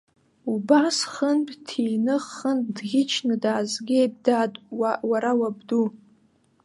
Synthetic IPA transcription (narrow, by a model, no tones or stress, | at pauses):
ubasχənptʰiːnɨχənb̚ʼdɡʲɪt͡ʃʰnɨdaːzɡʲejb̚dadwaɾawab̚du